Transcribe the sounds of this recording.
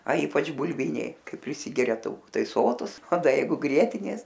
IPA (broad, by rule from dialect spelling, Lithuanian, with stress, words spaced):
ɐ ˈiːpɐt͡ʃ bʊˈlʲʋʲɪnʲɛɪ ˈkɐɪ pʲrʲɪˈsʲɪɡʲɛrʲɛ tɐʊˈkʊ ˈtɐɪ ˈsoːtʊs oː ˈdɐ ˈjɛɪɡʊ ˈɡrʲiɛtʲɪnʲeːs